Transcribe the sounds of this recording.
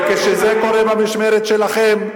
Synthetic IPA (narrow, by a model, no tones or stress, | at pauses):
keʃezeko̞ɾebamiʃmeɾet̪ʃelaχem